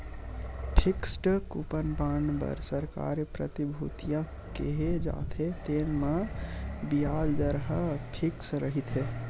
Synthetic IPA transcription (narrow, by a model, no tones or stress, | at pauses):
pʰiksʈkupənpaɳɖbə̰ɾsəɾka̰ːɾepɾət̪ibʱut̪ijã | keɦed͡ʒa̰t̪ʰet̪eːnmã | bijaːd͡ʒd̪əɾɦəpʰiksɾəɦit̪ʰɦe